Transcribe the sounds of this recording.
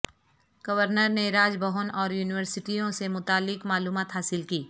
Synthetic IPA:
ɡ̥ɐʋəɾnəɾneɾaːd͡ʒbɐɦʊnɔːɾjuːnɪʋəɾsɪʈijõsemʊt̪aːlːɪkmaːluːmaːt̪ɦaːsɪlkiː

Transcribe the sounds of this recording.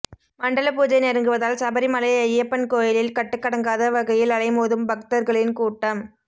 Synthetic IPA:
mɐɳɖɐlɐpuːd͡ʒɐɪnɛɾɐŋɡɯʋɐðaːlsɐbɐɾimɐlɐjɐɪjːɐpːɐnkoːjɪlɪlkɐʈːɯkːɐɽɐŋɡaːðɐʋɐɣɐjɪlɐɭɐɪmoːðɯmbɐk̚t̪ɐɾɣɐɭɪnkuːʈːɐm

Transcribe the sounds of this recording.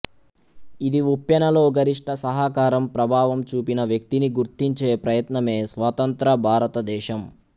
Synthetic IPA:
id̪iupjɐnɐlo̞ːɡɐɾiʂʈʰɐsɐɦakaːɾɐmpɾɐbʱaːʋɐmt͡ʃuːpinɐʋjɐk̚t̪iniɡuɾt̪iɲt͡ʃeːpɾɐjɐt̪nɐme̞ːsʋat̪ɐnt̪ɾɐbʱaːɾɐt̪ɐd̪ɛːʃɐm

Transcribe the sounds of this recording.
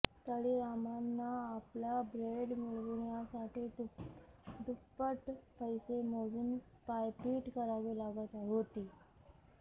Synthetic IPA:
t̪əɽiːɾamanːaːpljabɾeɽmuɭʋɳjasaʈiːt̪ | d̪upəʈpəjsemod͡zuːn | pajpiːʈkəɾaʋelaɡat̪aɦot̪iː

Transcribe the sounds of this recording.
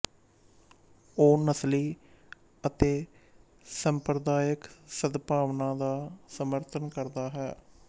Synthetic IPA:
oːnəsliː | ət̪eː | səmpɾəd̪aːjəksəd̪paːʋnãːd̪aːsəməɾt̪ʰənkəɾd̪aːɦɛː

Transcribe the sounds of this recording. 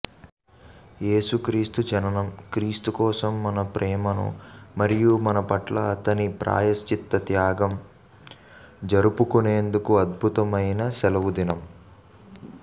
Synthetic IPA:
je̞ːsukɾiːst̪ud͡ʒɐnɐnɐmkɾiːst̪ukɔːsɐmːɐnɐpɾʔɛːmɐnṵmɐɾijumɐnɐpɐʈlɐːt̪ɐnipɾa̰ːjɐst͡ʃit̪ːɐt̪jaːɡɐm | d͡ʒɐɾupukuneːnd̪ukuɐd̪̚bʱut̪ɐmɐjnɐsɛlɐʋud̪inɐm

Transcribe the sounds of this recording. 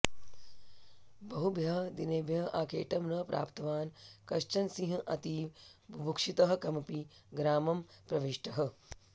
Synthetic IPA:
bɐɦubʱjɐɦd̪ineːbʱjɐɦʔaːkʰeːʈɐmnɐpɾa̰ːpt̪ɐʋaːnkɐʃt͡ʃɐnsĩɦɐʔɐt̪iːʋbʱbʱukʂit̪ɐɦɐ̆kɐmɐpiɡɾaːmɐmpɾɐʋiʂʈɐɦɐ̆

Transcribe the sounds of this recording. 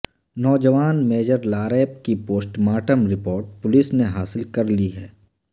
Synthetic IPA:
nɔːd͡ʒəʋaːnmeːd͡ʒəɾlaːɾeːp̚kipoːsʈmaːʈəmɾɪpoːɾʈ̚pʊlɪsneɦaːsɪlkɐɾliɦɛː

